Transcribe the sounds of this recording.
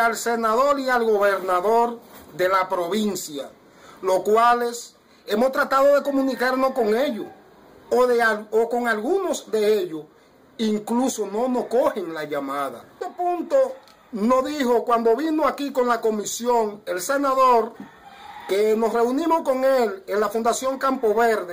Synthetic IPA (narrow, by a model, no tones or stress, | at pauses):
alse̞naðo̞ɾialɣo̞βe̞ɾnaðo̞ɾðe̞lapɾoβinsja | lo̞skwale̞s | e̞most̪ɾat̪aðo̞ðe̞ko̞mũnikaɾnosko̞ŋe̞ʎo | oðeaoko̞ŋalɣunozðe̞eʎos | iŋkluso̞no̞no̞sko̞heŋlaʝamaða̰t̪opunt̪o̞ | no̞ðiho̞kwand̪o̞βinoakiko̞nlako̞misjo̞ŋe̞lse̞naðoɾ | keno̞sre̞unĩmo̞sko̞ŋelenlafund̪asjo̞ŋkampo̞βeɾðe